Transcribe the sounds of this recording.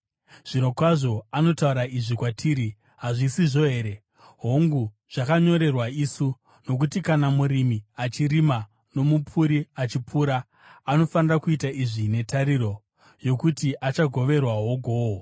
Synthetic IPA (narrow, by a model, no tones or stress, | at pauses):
ʐ̥ino̞kwaʐo̞ano̞tauɾaiʐikwatʰiːɾi | ɦaʐisiʐo̞ɦe̞ːɾe̞ | ɦo̞ŋɡu | ʐ̥akaɲo̞ɾe̞rwaisu | no̞k̬utikanamuɾimiat͡ʃirima | no̞mupʰuɾiat͡ʃipuːɾa | ano̞fanirakuitaiʐine̞tʰaɾiɾo̞ | jo̞kutiʔat͡ʃaɡʱo̞ʋe̞rwaɦo̞ɡʱoːwo